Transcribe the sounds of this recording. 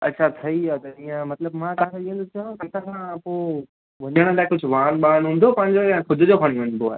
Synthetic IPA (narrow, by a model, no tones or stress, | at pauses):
ɐ̰tːɕʰat̪ʰɐiaːt̪ɐijə̃mɐt̪ləbmãkãk̪eɗiə̃nd̪ut͡ʃʰãt̪ɐt̪ʰãkʰãpo | ʋɐɲəɽ̃laːkʊd͡ʑʱʊʋaːnɓaːñɦũːn̆d̪opɐ̃ɦɪ̃ɲd͡ʑojãkʰʊd̪ʱɪd͡ʑokʰɐɽ̃ĩʋɐɲb̪oa̰ːɦe